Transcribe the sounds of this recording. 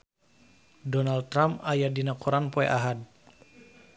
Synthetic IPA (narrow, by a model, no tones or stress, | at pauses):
dɔnalɾamajadinakuɾanpɔɛ̰ʔaɦad̚